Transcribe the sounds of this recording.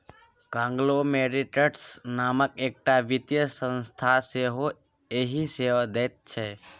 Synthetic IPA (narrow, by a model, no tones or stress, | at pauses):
kãŋɡlomeɾiʈəʈsnaməkek̚ʈaʋit̪jəsə̃nst̪ʰaseɦo | eɦiseʋad̪ət̪̚t͡ʃʰe